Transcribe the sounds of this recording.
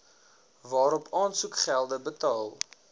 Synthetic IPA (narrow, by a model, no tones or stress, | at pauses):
vɑːɾɔpʰɑːnsukχælˠdəbətɑːlˠ